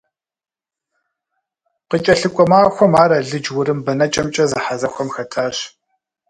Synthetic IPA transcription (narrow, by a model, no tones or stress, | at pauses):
qət͡ʃʼɐɬɨkʷʼɔmaːxʷɔmaːɾɐɮɨd͡ʒwʊɾɨmbɐnɐt͡ʃʼɐmt͡ʃʼɐzɨħazɐxʷɔmxɐtʰaːɕ